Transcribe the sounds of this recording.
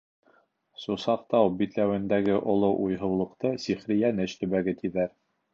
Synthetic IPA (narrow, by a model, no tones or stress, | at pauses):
susɑq̚t̪ɑwbit̪læwɘ̆nd̪æɡɘʔŏlˠoʔujɦɤ̆wlˠɤ̆qt̪ɤsiχɾɘ̆jænɘɕt̪ɵ̆βæɡɘt̪iðæɾ